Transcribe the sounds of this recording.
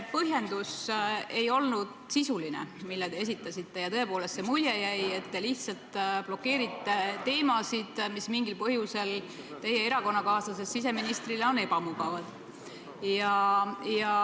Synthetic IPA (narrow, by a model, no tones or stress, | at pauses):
pɤɦje̞nd̪̥use̞jo̞lnud̪̥sisulinḛmilːed̪̥e̞es̬it̪ːˑɑsʲit̪ːe̞jɑt̪ɤe̞po̞ːlest̪se̞mujejæje̞t̪ːe̞liht̪sɑlt̪plo̞kːe̞ːɾit̪ːˑe̞t̪e̞ːmɑsid̪̥mismiŋɡilpɤɦjuse̞l | t̪e̞je̞e̞ɾɑko̞nːɑkɑːsɑse̞sːis̬e̞minist̪rileo̞ne̞pɑmuɡ̥ɑvɑd̪̥ | jɑjɑ